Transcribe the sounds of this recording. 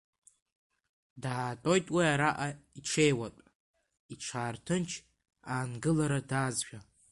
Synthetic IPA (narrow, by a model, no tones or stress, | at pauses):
daːtʼo̞jtʼwiaɾaʔaiʈ͡ʂʰe̞jwatʷʼ | iʈ͡ʂʰaːrtʰɨnt͡ʃʰ | aːnɡɨlaɾadaːzʒᶣa